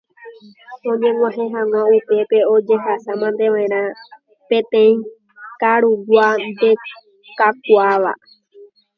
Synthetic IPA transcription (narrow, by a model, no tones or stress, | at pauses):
õ̞ɲẽ̞ŋʷãɦẽɦãŋʷãupe̞pe̞o̞d͡ʒe̞ɦasamãnd̪e̞ʋãẽɾ̃ã | pẽ̞t̪ẽĩ | kaɾuɡʷand̪e̞ | kapwaʋa̰